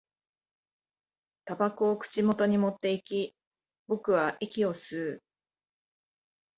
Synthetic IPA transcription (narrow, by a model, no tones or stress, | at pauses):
t̪abakoːkɯ̟̥t͡ɕimo̞t̪o̞ɲ̟imo̞t̪ːe̞ikʲi | bo̞kɯ̟βaʔikʲio̞sɨː